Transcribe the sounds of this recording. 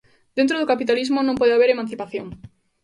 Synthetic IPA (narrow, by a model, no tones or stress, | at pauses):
d̪̥ent̪ɾoðokapit̪alizmonõmpɔðeaβeɾemãnθipaθjoŋ